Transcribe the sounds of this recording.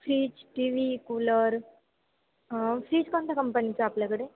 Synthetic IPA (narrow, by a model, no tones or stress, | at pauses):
fʰɾiːt͡ʃʈiːʋikuːlɐɾ | fʰɾiːt͡ʃkont̪ɐkɐmpɐnit͡ʃaːplɐkɐɽe